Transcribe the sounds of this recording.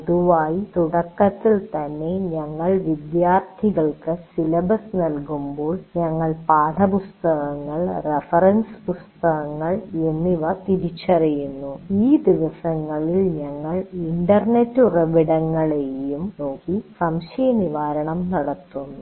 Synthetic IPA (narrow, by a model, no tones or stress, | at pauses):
oðuʋaːjit̪uɽɐkːɐt̪ːilt̪ɐnːe̞ɲɐŋːɐɭʋid̪jaːrt̪ʰiɣɐɭkɨsilɐbɐsnɐlkumboːɭɲɐŋːɐɭpaːd̪ʰɐpust̪ɐɣɐŋːɐɭrefɐrɐnspust̪ɐɣɐŋːɐɭe̞nːiʋɐt̪iɾit͡ɕːɐrijunːuiːd̪iʋɐsɐŋːɐɭilɲɐŋːɐɭiɳɖɐrne̞tːurɐʋiɽɐŋːɐɭejumno̞ːkːisɐmʂɐjɐniʋaːɾɐɳɐmnɐɽɐt̪ːunːu